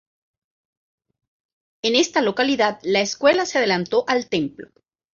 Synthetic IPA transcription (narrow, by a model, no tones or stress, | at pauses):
e̞ne̞st̪alo̞kaliðaðlaeskwe̞laseað̞e̞lant̪o̞ʔalt̪e̞mplo̞̰